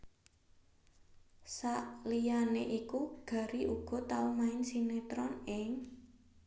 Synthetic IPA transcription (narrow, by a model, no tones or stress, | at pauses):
saʔlianeʔikuɡ̥a̤ɾiʔuɡ̥ɔ̤t̪aumaɪnsinet̪ɾɔnɪŋ